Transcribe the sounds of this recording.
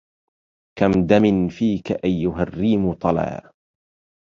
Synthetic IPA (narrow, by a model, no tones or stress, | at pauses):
kamd̪amɪnfiːkaʔajːʊɦarːiːmʊt̪ˤɑla̰ː